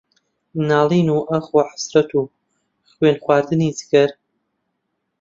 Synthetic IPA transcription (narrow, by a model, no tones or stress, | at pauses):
naːlˠiːnuʔɐxwaħḁsɾɐt̪ʰuː | χwenχwaːɾd̪ɨnizɨɡɐɾ